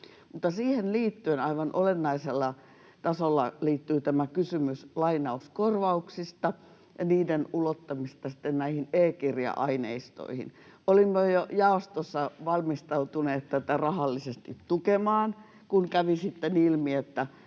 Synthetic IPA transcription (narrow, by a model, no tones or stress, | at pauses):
mut̪ːɑsiːhenliːt̪ːyenɑiʋɑnʔolenːɑiselːɑ | t̪ɑsolːɑliːt̪ːyːt̪æmækysymyslɑinɑuskorʋɑuksist̪ɑ | jɑniːdenulot̪ːɑmist̪ɑsi̥t̪ːennæihineːkirjɑ̰ʔɑinḛist̪o̰ihḭnolimːojojɑost̪osːɑʋɑlmist̪ɑut̪uneːt̪t̪ːæt̪ærɑhɑlːisest̪it̪t̪ukemɑːn | kunkæʋisit̪ːenilmiet̪ːæ